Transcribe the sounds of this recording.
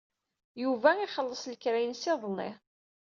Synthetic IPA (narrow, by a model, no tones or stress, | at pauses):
juvæɪχəlːəsˤləkɾæjənsɪðˤnɪ̰